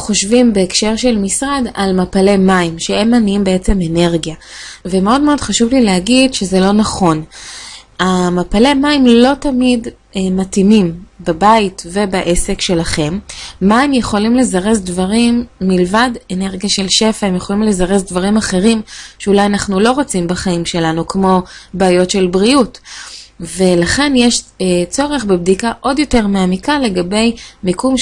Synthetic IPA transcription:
χo̞ʃvimbe̞ːkʃe̞ʁʃe̞lmisʁadalmapale̞maimʃee̞mːaniimbe̞et͡se̞me̞ne̞ʁɡja | vemeo̞dme̞o̞dχaʃuvlileɦaɡidʃezelo̞naχo̞n | amapale̞maimlo̞tamid | matimimbabaitve̞baʔe̞se̞kʃe̞laχe̞mːaemjeχo̞limle̞zaʁezdvaʁimːilvadene̞ʁɡjaʃe̞lʃe̞faemjeχo̞limle̞zaʁezdvaʁimaχe̞ʁimʃeulajanaχnulo̞ʁot͡simbaχaimʃe̞lanukmo̞baːjo̞tʃe̞lbʁiut | ve̞laχe̞njeʃt͡so̞ʁe̞χbebdikaʔo̞djo̞te̞ʁmeamikale̞ɡabe̞jmikum

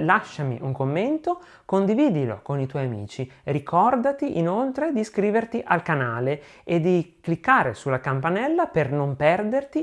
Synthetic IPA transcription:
laʃːamḭʔuŋkomːent̪o | kond̪iviːd̪ilo̰konit̪wɔjamḭːt͡ʃirikʰɔrd̪at̪iʔinolt̪ɾed̪iskɾiːvert̪iʔalkanaːle | ed̪ːiklikːaːɾḛsulːakampanɛlːapernompɛrd̪ert̪i

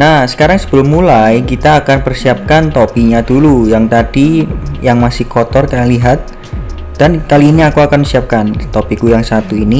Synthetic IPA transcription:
nahsə̥kaɾaŋsə̥b̥əlʊmːulajkit̪aːkanpərsiap̚kant̪opiɲadulujaŋt̪ad̥ijaŋmasɪhkɔt̪ɔrk̪analiɦat̪̚ | d̥ankaliːniakuakansiap̚kant̪ɔpikujaŋsat̪uini

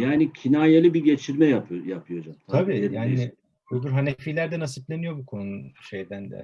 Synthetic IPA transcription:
jaːnicʰinaːjelʲˠibiɟet͡ʃʰiɾmɛjajapʰɯjod͡ʒamt̪ʰabiːjaːni | ud̪uɾɦanefiːlʲæɾd̪ɛnasiplʲenijo̞bukʰo̞nuʃe̞jd̪ænd̪ɛ̰

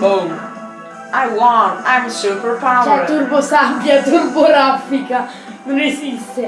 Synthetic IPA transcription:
mõn | ʔaɪwɔ̃nãɪ̃məsupə˞pʰaʊɛt̪uɾbosabjat̪uɾboɾafika | nõnesist̪e

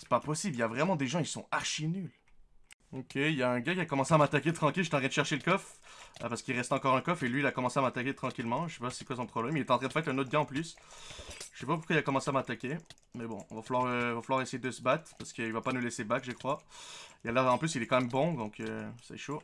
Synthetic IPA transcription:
sɛ̥papɔsibliljavʁɛmɑ̃d̪eʒɑ̃isɔ̰̃aʁʃinyl | ɔkʲʰeiljaɛ̃ɡakʲiakɔmɑ̃seamat̪ak̬ʲet̪χɑ̃kʲilʒt̪ɑ̃ʁjɛ̃d̪əʃɛʁʃeləkɔfpaʁsə̥kilʁɛst̪ɑ̃kɔʁɛ̃kɔfelɥiːlakɔmɑ̃seamat̪akʲet̪χɑ̃kʲilmɑ̃ʒəsɛpasi̥kwasɔ̃pχɔblɛmilɛt̪ɑ̃t̪χɛ̃d̪əfɛt̪ɛ̃not̪χɡaɑ̃plys | ʒəsɛpapuʁkwailakɔmɑ̃seamat̪akʲe | mɛbɔ̰̃ɔ̃vafalwaʁø̃vafalwaʁesejed̪əsəbat̪χpaʁsə̥kəilvapanulɛsebakʒəkχwaijalɛʁɑ̃plysilɛkɑ̃mɛmbɔ̃d̪ɔ̃køsa̰ɛ̰ʃo

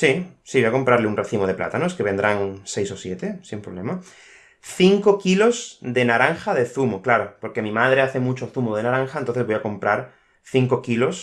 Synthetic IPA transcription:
sisiβojako̞mpɾaɾleunreθimo̞ð̞e̞pla̰t̪anoeskeβe̞nd̪ɾaŋsejso̞sje̞t̪e̞simpɾoβle̞ma | θiŋko̞kilo̞zd̪e̞naɾaŋxaðe̞θumoklaɾo̞po̞ɾke̞mĩmað̞ɾeaθe̞mut͡ʃo̞θumoðe̞naɾaŋxaent̪onθezβojako̞mpɾaɾ | θiŋkokilo̞s

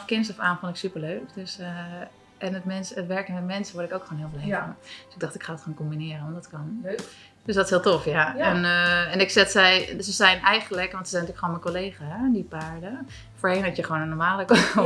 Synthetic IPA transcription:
kɪnsɔfaːmfɔnɪksypəɹløːkdøs | ʔɛnətmɛnsətʋɛɹkənmɛtmɛnsəʋɔɹɾɪkowkχoːnɦiəlˠbəlejvd̥øsɪɡ̚dɔχtɪkχaːdɔtχaːnkombinɪərənʋɔndɔtkɑn | d̥øsdɔtɪshiːlˠtofjaɛnɛnɪksɛtsɛjsəzɛjnɛjχənləkʋɔntsəzɛjntyːəkχʋoːnmɛnkoleːχaɦɛndipaːɹdə | foːɹheːnɛtjəχʋoːnənːɔɹmaːlək

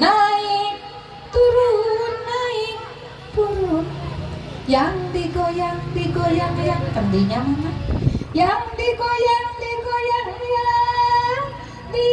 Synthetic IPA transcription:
naɪk | t̪uɾunːaɪk̚ | t̪uɾun | jaŋt̪ikojaŋd̪ikojaŋjaŋt̪ənd̪iɲamnajaŋt̪ikojaŋt̪ikojaŋja | t̪i

